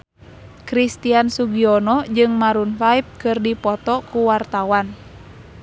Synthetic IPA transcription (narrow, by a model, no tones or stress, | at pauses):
kɾist̪iansuɡiɔnɔd͡ʒɨŋmaɾunfaip̚kɨrdipɔt̪ɔkuwart̪awan